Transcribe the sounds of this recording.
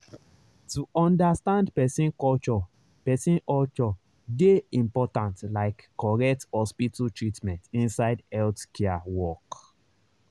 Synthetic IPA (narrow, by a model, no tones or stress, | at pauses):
tuʔɔ̃ndastãndpɛsĩnkɔlt͡ʃɔ | pɛsĩnɔlt͡ʃɔ | deĩmpɔtãntlaɪkːɔɹɛthɔspitʰatɹitmɛ̃ntĩnsaɪdɛltkʰɛawɔk